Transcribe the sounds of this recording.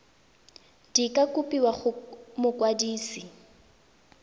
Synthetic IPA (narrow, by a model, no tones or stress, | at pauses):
d̥ikʼakʼupʼiwaχʊmʊkʼwadiːsi